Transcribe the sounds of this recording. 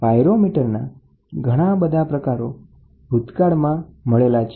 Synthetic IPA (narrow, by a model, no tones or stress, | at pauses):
pajɾomiʈəɾna | ɡʱəɽ̃abəd̪ʱapɾəkaɾo | bʱut̪kaɽmãməɭelat͡ʃʰ